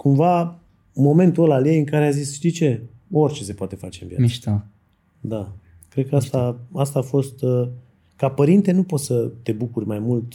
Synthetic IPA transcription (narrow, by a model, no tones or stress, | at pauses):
kumva | mo̞me̞nt̪uəlaljejɨŋkaɾeazisʃt̪ijt͡ʃe̞ | o̞rʲt͡ʃe̞se̞poat̪e̞fa̰t͡ʃe̞ɨnvija̰isʃt̪a | d̪a | kɾe̞d̪̚kəast̪aast̪aːfo̞st̪ | kapəɾint̪e̞nupo̞t̪sət̪e̞bukurʲmajmult̪